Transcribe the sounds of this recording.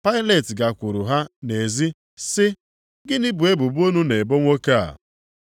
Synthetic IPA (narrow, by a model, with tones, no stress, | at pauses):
pa˦ɪ˦le˨tɡa˨kʷʊ˨ɾʊ˨ɦa˦ne˨zi˦ | sɪ˦ | ɡɪ˦nɪ˦bu˨e˦bu˨bu˦o˦nu˦ne˨bo˦ŋʷo˦ka˦a̰˨